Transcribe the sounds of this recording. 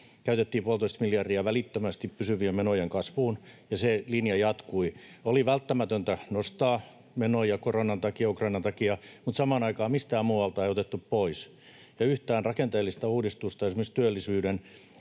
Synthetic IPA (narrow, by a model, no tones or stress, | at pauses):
kæyt̪et̪ːiːpuɑlt̪oist̪miljɑrdiæʋælit̪ːømæst̪ippysyʋiemenojeŋkɑsʋuːnjɑselinjɑjɑt̪kuioliʋælt̪ːæmæt̪ønt̪ænost̪ɑː | menojɑkoronɑnt̪ɑkiɑukrɑinɑnt̪ɑkiɑmut̪sɑmɑːnɑikɑːmist̪æːmuːɑlt̪ɑeiot̪et̪ːuppois | jɑyht̪æːnrɑkent̪eːlːist̪ɑuːdist̪ust̪ɑjeɑsimːˑøst̪yølːisyːɾen